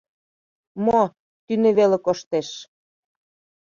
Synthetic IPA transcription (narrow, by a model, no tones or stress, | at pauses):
mo | t̪ynĕβelĕkoʃt̪eʃ